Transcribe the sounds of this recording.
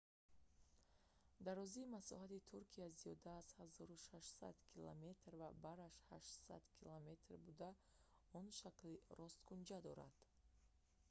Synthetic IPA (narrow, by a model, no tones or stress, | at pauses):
d̪arɔziːmasɔ̰ɦat̪it̪ʰuɾkʰiaziɔd̪aːz̥hazɔɾuʃaʃsa̰d̪kʰilo̰me̞t̪ɾvabaɾaʃhaʃtsa̰d̪kʰilome̞t̪ʰrbud̪a | ɔnʃakliɾʔɔst̪kʰund͡ʒad̪ɔɾa̰d̪̥